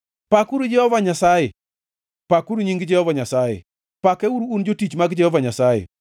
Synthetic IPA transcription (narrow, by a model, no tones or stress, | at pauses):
pakuɾud͡ʒɛhɔvaɲasajɛ | pakuɾuɲiŋɡd͡ʒɛhɔvaɲasajḛ | pakɛuɾuund͡ʒotit͡ʃmaɡd͡ʒɛhɔvaɲasajḛ